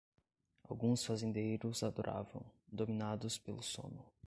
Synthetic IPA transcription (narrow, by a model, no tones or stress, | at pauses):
a̰wɡũsfazẽnd̪ejɾʊzad̪oɾʔa̰vɐ̰̃w̃d̪omĩnad̪ʊspelʊsõ̰nʊ